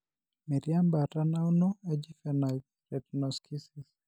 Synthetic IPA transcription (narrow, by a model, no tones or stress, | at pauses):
miɾjambatanawnɔɛd͡ʒifɛnai | ɾɛtnɔskʰisis